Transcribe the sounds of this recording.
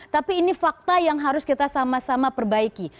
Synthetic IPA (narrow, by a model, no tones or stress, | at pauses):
t̪apiːnifak̚t̪ajaŋɦaɾʊskit̪asamasamapərbaiki